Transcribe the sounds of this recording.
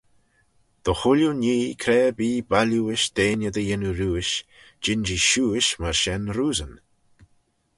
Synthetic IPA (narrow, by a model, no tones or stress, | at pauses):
d̪̥əxʊljuniːkʰɾɛːbiːbaluɪʃd̪̥eːnəd̪əjɪnuɾuːɪʃ | d͡ʒɪnd͡ʒiʃuːɪʃmaɹʃɛnɾuːzən